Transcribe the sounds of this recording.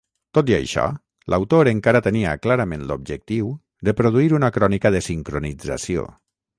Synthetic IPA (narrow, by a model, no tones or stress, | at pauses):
t̪ot̪iə̰jʃɔ̰ | lʔa̰wt̪oɾəŋkaɾat̪əniə̰klaɾamenlub̚ʒək̚t̪iw | d̪əpɾuð̞uiɾunakɾɔnikəðəsiŋkɾunid͡za̰sio̰